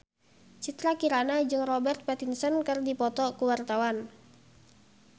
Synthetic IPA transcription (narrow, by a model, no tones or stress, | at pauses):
t͡ʃit̪ɾakiɾanad͡ʒɨŋrɔbɛrt̪̚pɛt̪insənkɨrdipɔt̪ɔkuwart̪awan